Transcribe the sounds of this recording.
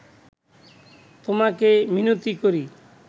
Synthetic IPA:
t̪omakeminut̪ikoɾi

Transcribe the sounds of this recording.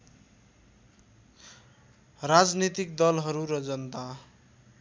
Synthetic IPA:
rad͡znit̪ik̚d̪ʌlɦʌɾuɾʌd͡zʌnt̪a

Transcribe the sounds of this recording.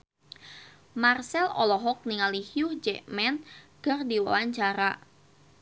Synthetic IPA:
marsɛlɔ̰lɔɦɔk̚niŋalihiʊhd͡ʒɛʔmɛnɡ̥ərdiwa̰waɲt͡ʃaɾa

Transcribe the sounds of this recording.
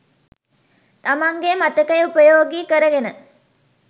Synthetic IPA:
t̪amaŋɡemat̪əkɐjupəjoːɡikəɾəɡenə

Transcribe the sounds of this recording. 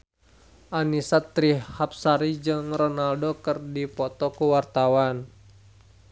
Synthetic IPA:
ʔanisat̪ɾihap̚saɾid͡ʒɨŋrɔnaldokərdipɔt̪ɔkuwart̪awan

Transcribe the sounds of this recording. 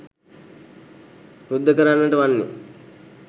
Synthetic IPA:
ɾud̪ʱːəkəɾanːəʈəʋanːḛ

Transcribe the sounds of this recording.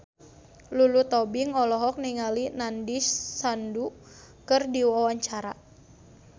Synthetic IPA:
lulut̪ɔbiŋɔlɔɦɔk̚niŋalinandisːandu | kɨrdiwawaɲt͡ʃaɾa̰

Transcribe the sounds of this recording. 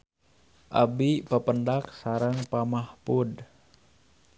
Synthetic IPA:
ʔa̰bipəpəndak̚saɾəŋpamahpud

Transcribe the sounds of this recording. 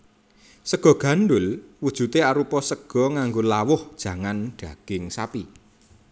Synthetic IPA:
səɡ̥ɔ̤ɡ̥ä̤nɖʊlwud̥ʒ̥ṳt̪eaɾupɔsəɡ̥ɔ̤ŋaŋɡolawʊhd̥ʒ̥ä̤ŋanɖ̥ä̤ɡ̥ɪŋsapi

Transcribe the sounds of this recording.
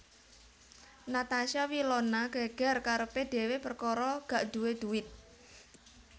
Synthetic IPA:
nat̪aʃawilɔnaɡ̥a̤ɡ̥a̤rkaɾəpeɖ̪̥ɛ̤wepərkɔɾɔɡ̥a̤ʔd̪̥uwed̪̥uwɪt̪̚

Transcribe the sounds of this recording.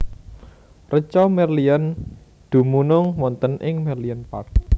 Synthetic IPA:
rət͡ʃɔmɛrlian | d̪̥ṳmunʊŋwɔnt̪ənʔɪŋmɛrlianpa̰rk

